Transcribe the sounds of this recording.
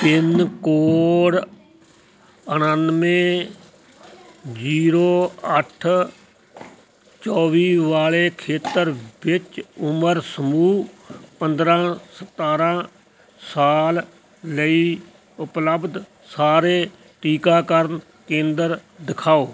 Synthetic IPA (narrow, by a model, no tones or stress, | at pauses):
t̪ɪnkoːɽ | ənənmẽː | d͡ʒiːɾoːəʈʰ | t͡ʃɔːʋiːʋaːleːkʰeːt̪əɾʋɪt͡ʃʊməɾsəmuːpənd̪ɾãːsət̪aːɾãː | saːl | ləiː | ʊpləbd̪ | saːɾeː | ʈiːkaːkəɾn | kẽːnd̪əɾd̪ɪkʰaːoː